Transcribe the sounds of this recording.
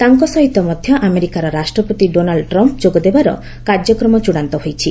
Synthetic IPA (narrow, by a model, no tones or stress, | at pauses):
t̪aŋkɔsɔɦit̪ɔmɔd̪ʱjɔʔameɾikaɾɔɾasʈɾɔpot̪iɖonaɭɖʈɾɔmpd͡ʒoɡɔd̪ebaɾɔ̰ | kaɾd͡ʒɔkɾɔmɔt͡ʃuɽ̃ant̪ɔɦojt͡ʃʰi